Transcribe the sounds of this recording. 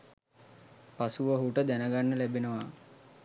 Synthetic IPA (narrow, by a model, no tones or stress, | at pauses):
pasuʋəɦuʈəd̪ænəɡanːəlæbenəʋa